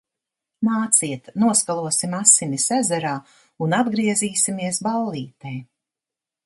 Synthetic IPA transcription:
naːt̪siɛt̪nuɔskalˠuɔsimasinisɛzɛɾaː | unad̪ɡɾiɛziːsimiɛs̬balˠliːt̪ɛj

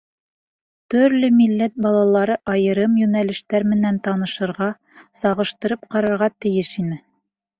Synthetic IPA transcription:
t̪ɵ̆ɾlɵmilːæt̪̚bɑlˠɑlˠɑɾɤʔɑjɤ̆ɾɤmjʉnælɘ̆ʃt̪æɾmɘ̆nænt̪ɑnɤ̆ʃɤ̆ɾʁɑ | sɑʁɤ̆ʃt̪ɤ̆ɾɤpqɑɾɑɾʁɑt̪ɘ̆jɘʃinɘ

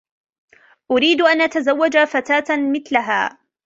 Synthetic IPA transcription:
ʔʊɾiːd̪ʔanʔat̪azawːad͡ʒafat̪aːt̪mɪθlaɦa̰ː

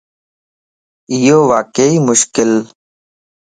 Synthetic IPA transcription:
ɪjoːʋaːkeiːmʊʃkɪl

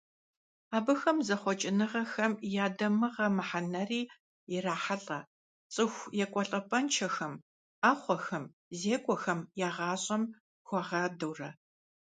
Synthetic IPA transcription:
aːbɨxɐmzɐχʷɔt͡ʃʼɪnɨʁɐxɐmjaːdɐmɨʁɐmɨħanɐriː | jɪraːħaɬʼɐ | t͡sʼɨxʷjɛkʷʼɔɬʼɐpʼɐnt͡ʃʰɐxɐm | aːχʷɔxɐm | zeːkʷʼɔxɐmjaːʁɑːɕʼɐm | xʷɔʁɑːdɐwrɐ

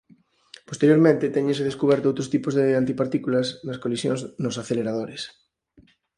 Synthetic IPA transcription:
po̥st̪eɾjoɾmẽnt̪ɪt̪ɛɲẽnseð̞eskuβ̞ɛɾt̪ʊowt̪ɾost̪ipozðeant̪ipaɾt̪ikulɐsnɐskolisjõŋznosaθeleɾaðoɾes

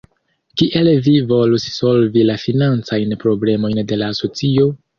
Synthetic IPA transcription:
kiʔelvivo̞lusso̞lvilafinant͡sajnpɾo̞ble̞mo̞jnde̞laːso̞t͡sio̞

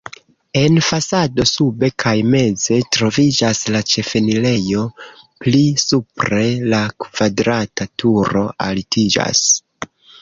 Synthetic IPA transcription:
e̞nfasado̞sube̞kʰajme̞ze̞tɾo̞vid͡ʒaslat͡ʃe̞fe̞nile̞jo̞ | plisupɾe̞lakv̥adɾatatʰuɾo̞ʔa̰litid͡ʒa̰s

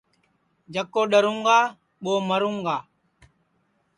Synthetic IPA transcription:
d͡ʒəkːoːɗəɾuŋɡaː | ɓoːməɾuŋɡaː

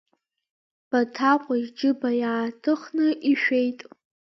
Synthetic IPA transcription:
b̥atʰaqʷʼaʒd͡ʒɨbajaːtʰɨχnɨʔiʃᶣe̞jtʼ

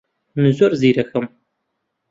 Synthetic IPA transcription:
mɨzɔrziːɾɐxɐm

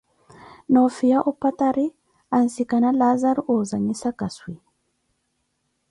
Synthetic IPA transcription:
nofijaʔɔpːat̪aɾi | ansikanalazaɾuoːzaɲisakaswi

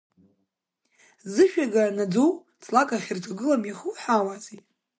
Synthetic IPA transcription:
zɨʃᶣaɡanad͡zow | t͡sʰʼlakʼaχʲirtʷʰʼaɡɨlamiχuħawazi

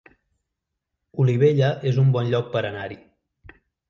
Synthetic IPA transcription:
uliβeʎəʔezumbɔnʎɔk̚pəɾənaɾi

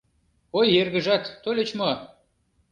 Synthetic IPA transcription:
ojerɣə̆ʒɑt̪ːolʲet͡ɕmo

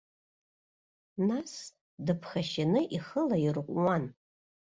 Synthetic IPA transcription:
nas | dɨpʰχaʃanɨʔiχəlairqʷʼwan

